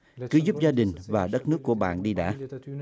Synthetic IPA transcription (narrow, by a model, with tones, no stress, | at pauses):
kɨ˨˦zu˦˥p̚zaː˧ɗï˨˩ŋ̟vaː˨˩ɗə˦˥t̚nɨ˦˥əkːu˧˩əɓa̰ː˧˨nɗi˧ɗa̰ː˧˥˨